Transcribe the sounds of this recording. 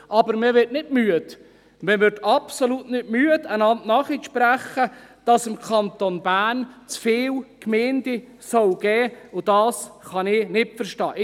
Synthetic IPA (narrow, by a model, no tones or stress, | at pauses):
ʔɑbəɾmɪʋɪtnɪtmyət | mɪvʋʏɾtɑpsoluːtnɪtmyːədənɑntnɑːχiʃpɾæχəd̥ɑsɪmkʰɑnt̪onbæːnt͡sfɪːlkmeːndi | sɔwɡ̥ɛːʊd̥ɑːsχɑnɪnɪtfəɾʃtɑ̰ːʔ